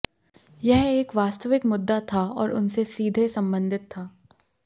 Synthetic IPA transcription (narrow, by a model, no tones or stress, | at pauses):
jɛɦeːkʋaːst̪əʋɪkmʊd̪ːat̪ʰaɔːɾʊnsesiːd̪ʱesɐ̃mbə̃nd̪ʱɪt̪ʰːaː